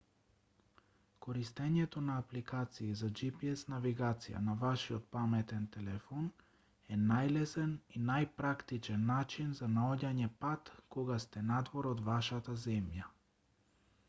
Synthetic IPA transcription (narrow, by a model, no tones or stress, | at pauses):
kɔɾist̪ɛɲɛt̪onaːplikat̪siːzad͡ʒipiɛsnaviɡat̪sija̰navaʃiɔt̪̚pamɛt̪ɛnt̪ɛlɛfɔn | ɛnajlɛsɛninajpɾakt̪it͡ʃɛnːat͡ʃinzanaɔɟaɲɛpat̪kɔɡast̪ɛnad̪vɔɾɔd̪vaʃat̪azɛmja